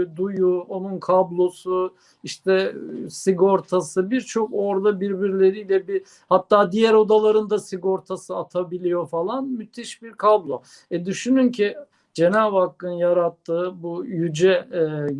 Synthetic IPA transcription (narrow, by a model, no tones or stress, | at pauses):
d̪ujuonunkʰablˠo̞su | iʃt̪ɛsiɡo̞ɾt̪ʰasɯbiɾt͡ʃʰo̞ko̞ɾd̪abiɾbiɾlʲe̞ɾijlʲɛbi | hat̪ʰːaːd̪ijæɾo̞d̪alˠaɾɯnd̪asiɡo̞ɾt̪ʰasɯat̪ʰabilʲijo̞falˠanmyt̪ʰiʃbiɾkʰablˠo̞ | ɛd̪yʃynyncʰi | d͡ʒe̞naːbhakːɯnjaɾat̪ʰːɯːbujyd͡ʒɛ